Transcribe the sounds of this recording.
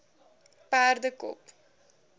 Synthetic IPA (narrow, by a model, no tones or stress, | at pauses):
pæːrdəkɔ̰p